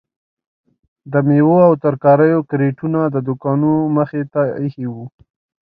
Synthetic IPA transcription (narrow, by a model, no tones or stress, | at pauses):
d̪əmewoawt̪əɾkɑɾəjokɾeʈunad̪əd̪ʊkɑnuməxet̪aihiwu